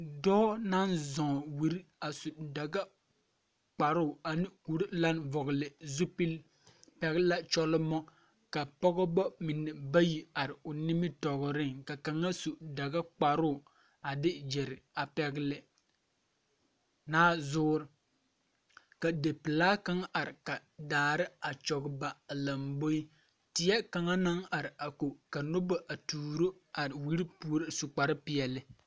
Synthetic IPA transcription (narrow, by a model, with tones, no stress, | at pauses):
dɔː˦na˦nzɔ˨wi˨ɾi˦a˨su˨da˨ɡa˦ | k͡pa˨ɾʊ˦˨a˨nɪ˦ku˨ɾɪ˦la˦nvɔ˨ɣlɪ˨zu˦pi˦l | pɛ˦ɣɪ˦la˦t͡ʃɔ˦lɔ˦mɔ˦ | ka˨pɔ˦ɡɔ˦bɔ˦mɪ˨nːɛ˨ba˦ji˨a˨ɾɪ˨ʊ˨nɪ˦mɪ˦tɔ˨ɣɔ˨ɾɪ˦ŋka˨ka˨ŋa˦su˨da˨ɡa˦k͡pa˨ɾʊ˦˨ | a˨dɪ˦d͡ʒɛ˨ɾɪ˨a˨pɛ˦ɡɪ˦lɪ˦ | naː˦zʊː˦ɾɪ˨ | ka˨de˨pɪ˨laː˦ka˦ŋa˦ʔa˨ɾɪ˨ka˨daː˨ɾɪ˦a˨t͡ʃɔ˨ɡɪ˦ba˨la˨mbo˦i˦ | tɪ˨jɛ˦ka˨ŋa˦na˦ŋa˨ɾɪ˨a˨ko˨ka˨nʊ˦ba˨ʔa˨tuː˨ɾo˦a˨ɾɪ˨wi˦ɾi˦pu˦ɾɪ˦sʊ˨k͡pa˨ɾɪ˦pɪ˨ɛ˨lɪ˦